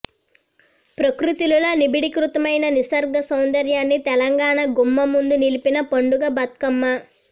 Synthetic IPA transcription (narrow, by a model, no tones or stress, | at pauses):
pɾɐkɾut̪ululonibiɽikɾut̪ɐmɐjnɐnisɐɾɡɐsɐwnd̪ɐɾjaːnːit̪ɛlɐŋɡaːɳɐɡumːɐmund̪unilipinɐpɐɳɖuɡɐbɐt̪̚kɐmːɐ